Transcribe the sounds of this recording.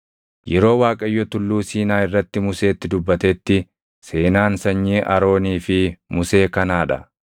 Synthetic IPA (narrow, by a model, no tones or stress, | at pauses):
jɛɾo̞ːwaːkʼɐjːɔt̪ʊlːuːsiːnaːɪrːɐt̪ːɪmʊse̞ːt̪ːɪd̪ʊbːɐt̪ɛt̪ːɪ | se̞ːnaːnsɐɲːiːʔɐ̰ɾo̞ːniːfɪmʊse̞ːkɐnaːᶑɐ